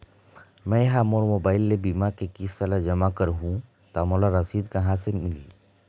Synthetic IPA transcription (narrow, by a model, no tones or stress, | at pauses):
mɛ̃jɦaːmoːɽmoːbaːɪlːebiːmakekisːalad͡ʒɐmakəɾɦũ | t̪amoːlaɾɐsiːd̪kɐɦãsemɪli